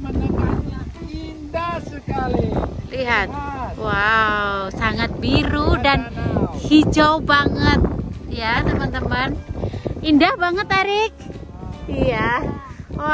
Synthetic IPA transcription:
ndakailiɦat̪̚wawsaŋat̪̚biɾudanhid͡ʒawbaŋət̪̚jat̪əmənt̪əmən | indahbaŋət̪aɾɪk̚ | ija

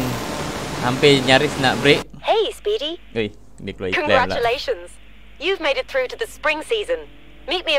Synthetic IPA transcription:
n | hampiɲaɾisna̰ʔbɾɪʔheɪspiɾiuj | miklokʰə̃nɡɛɹalt͡ʃəleɪʃə̃nz̥ | jʉvmeɪɾɨt̪̚θɹʉɾɨðɨspɹɪ̃ŋsiːzə̃n | miˑt̚miɨ

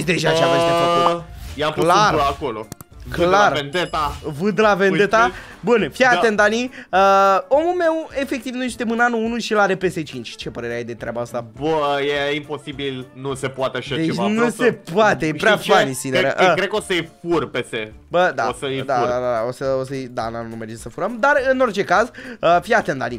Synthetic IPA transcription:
d̪eʒat͡ʃaesefeojaplarako̞lo̰klarvend̪et̪avɨd̪lavenet̪a | bunfjat̪end̪aniəo̞mulme̞we̞fek̚t̪ivnujʃt̪emɨnanuunuʃilaɾepeset͡ʃint͡ʃt͡ʃe̞pəɾe̞ɾeajed̪e̞t̪ɾeabaəst̪abəjeimpo̞sibilnuse̞poat̪eaʃad̪et͡ʃet͡ʃanuse̞poat̪ejepɾeafanisineɾəʔəkɾekosəjfurpese | bəd̪a̰osəjd̪aɾd̪ad̪ad̪a̰osəosəid̪a̰na̰nunume̞rd͡ʒesəfuɾəmd̪arɨno̞rt͡ʃe̞kazəfiat̪end̪a̰ni

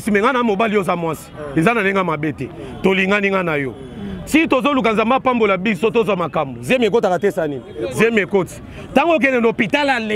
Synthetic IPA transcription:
simɛŋɡanamobalijozamwasi̥ezanaleŋamabetɛtoliŋɡaniŋɡanajɔ | sikitozolukanzambapambolabisotozwamakambozemek̬ot̬iaatesaninizemekoti̥ | taŋɡok̬ɛnɛnopitalal

